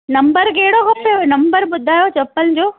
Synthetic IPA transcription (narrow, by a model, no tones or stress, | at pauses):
nɐmbɐɾɡeːɽoːkɐfenɐmbɐɾbud̪ʱːaːjoːt͡ʃɐpːɐlɲd͡ʒo